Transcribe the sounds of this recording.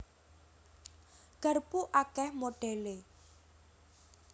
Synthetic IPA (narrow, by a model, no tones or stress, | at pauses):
ɡ̥ə̤rpuʔakɛhmoɖ̥ɛle